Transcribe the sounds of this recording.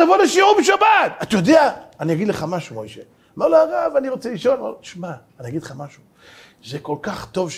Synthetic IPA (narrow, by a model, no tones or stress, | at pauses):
avoleʃiubeʃabat̪at̪ajod̪eaːnijaɡid̪leχamaʃumojʃe | loleʁavaniʁo̞t͡seliʃo̞lo̰t̪i̥ʃmaːnijaɡidleχamaʃu | zeko̞lkaχt̪o̞vʃ